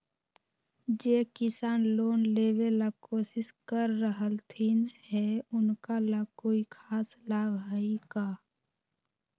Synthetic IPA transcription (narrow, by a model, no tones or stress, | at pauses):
d͡ʒeːkɪsaːnloːnleːwelakoːsɪskəɾːəɦəlt̪ʰinhɛʊnkalakoːikʰaːslaːbaːikaː